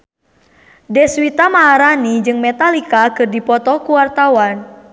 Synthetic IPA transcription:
dɛswit̪amaːɾanid͡ʒɨŋmɛt̪alikakɨrdipɔt̪ɔkuwart̪awan

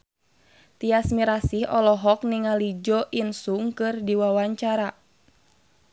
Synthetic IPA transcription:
t̪iasmiɾasiɦɔlɔɦɔk̚niŋalid͡ʒɔʔinsuŋkɨrdiwawaɲt͡ʃaɾa

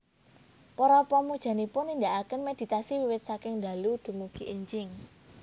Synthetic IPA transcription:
pɔɾɔpɔmud̥ʒ̥a̤nipʊnːind̪aʔakənmed̪̥i̤t̪asiwiwɪt̪̚sakɪŋd̪a̤lud̪̥ṳmuɡ̥iʔəɲd͡ʒɪŋ

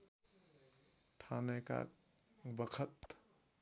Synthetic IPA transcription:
ʈʰaːneka̰ | bəkʰət̪

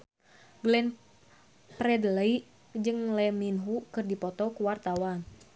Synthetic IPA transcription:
ɡlɛn | pɾɛdələi | d͡ʒɨŋlɛminɦukɨrdipɔt̪ɔkuwart̪awan

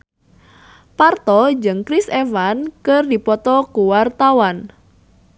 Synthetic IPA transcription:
part̪ɔd͡ʒɨŋkɾisefankərdipɔt̪ɔkuwart̪awan

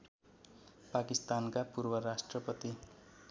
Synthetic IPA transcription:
pakist̪ankapurbʌrasʈrʌpʌt̪i

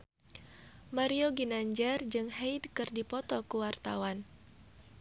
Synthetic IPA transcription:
maɾioɡinaɲd͡ʒard͡ʒɨŋɦejdkɨrdipɔt̪ɔkuwart̪a̰wan

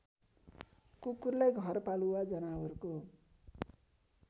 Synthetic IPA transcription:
kukurlajɡʱʌrpaluwad͡zʌnawʌɾko

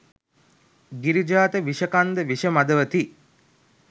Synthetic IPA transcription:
ɡiɾid͡ʒaːt̪əʋiʃəkand̪əʋiʃəmad̪əʋət̪i

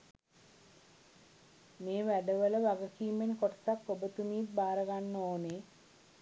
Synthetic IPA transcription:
meːʋæɖəʋələʋaɡəkiːmːenkoʈə̥t̪akːobət̪umiːt̪̚baːɾəɡanːoːne

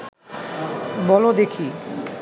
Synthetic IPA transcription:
bɔlod̪ekʰi

